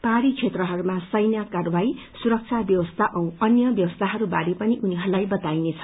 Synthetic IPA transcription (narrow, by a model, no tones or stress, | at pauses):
paɾit͡sʰet̪rʌɦʌɾumasʌjnjakarbai | suɾʌk̚t͡sʰabjʌwʌst̪ʰaʔʌw̃ʌnjʌbjʌwʌst̪ʰaɦʌɾubaɾipʌniʔuniɦʌɾulajbʌt̪ajnet͡sʰʌ̥